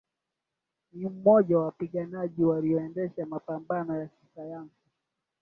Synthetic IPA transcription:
nim̩mɔʄawawapiɠanaʄiwalijɔɛndɛʃamapambanɔjakisajansi

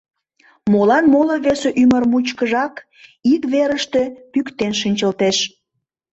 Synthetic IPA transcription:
molɑnmoləβeseʔymərmut͡ɕkəʒɑk | ikβeɾəʃt̪e̽pykt̪enʃənʲt͡ɕəlt̪eʃ

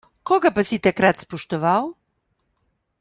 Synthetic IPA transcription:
koɡapasit̪akɾat̪spoʃt̪ɔʋaw

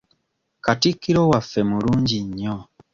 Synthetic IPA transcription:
katikːiɾowafːe̞muɾuːɲɟiɲːo

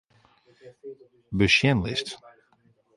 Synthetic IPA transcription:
bəʃjɛnlɪ̰st

